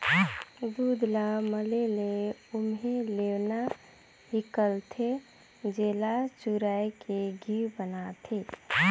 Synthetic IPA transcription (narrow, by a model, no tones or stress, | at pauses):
d̪ud̪laməleleʊmɦẽlewna | ɦikəlt̪ʰe | d͡ʒeːlat͡ʃuɾajkeɡʱiɾbənat̪ʰe